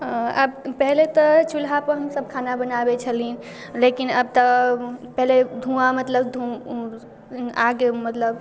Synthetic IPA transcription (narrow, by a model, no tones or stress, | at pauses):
ə̰bpɛɦlet̪ɔt͡ʃulɦapəɾɦəmsəb̚kʰanabənabet͡ʃʰəlin | lekinəb̚t̪ɔpɛɦled̪ʱũamət̪ləbd̪ʱũ | aɡemət̪ləb